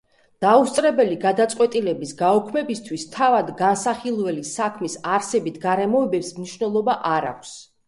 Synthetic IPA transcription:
d̪̥aust̪ʼɾɛbɛliɡad̪at̪sʼqʼwɛt̪ʼilɛbisɡaɔkʰmɛbist̪ʰwist̪ʰavad̪ɡansaχilˠvɛlisakʰmisaɾsɛbit̪ʰɡaɾɛmɔɛbɛpsmniʃwnɛlˠɔbaʔaɾa̰kʷʰs

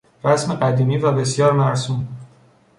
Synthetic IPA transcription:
ɾæsme̞ɢæd̪iːmiːvæbe̞sjɒːɾmæɾsum

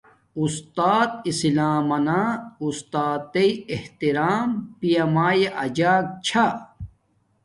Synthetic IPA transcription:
ust̪aːt̪isilaːmɐnaːust̪aːt̪eieht̪iɾaːmpijɐmaːjeʔɐd͡ʑaːk̚t͡ɕʰa

